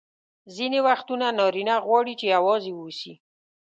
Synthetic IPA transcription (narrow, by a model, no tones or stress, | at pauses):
zinewaxt̪unanɑɾinaɣwɑɽit͡ʃeawɑzewusi